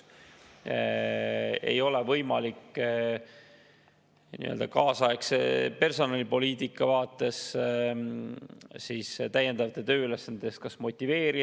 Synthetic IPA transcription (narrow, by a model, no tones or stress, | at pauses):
e̞̰jo̞le̞vɤjmɑlikː | nḭø̰ld̪ɑkɑːsɑeksepe̞rso̞nɑlipo̞liːt̪ikːɑvɑːt̪ːˑe̞s | siːst̪æje̞nd̪̥ɑvɑt̪ːˑet̪øːylesːɑnd̪ɑd̪est̪̚kɑsmo̞t̪ʲˑːive̞ːɾi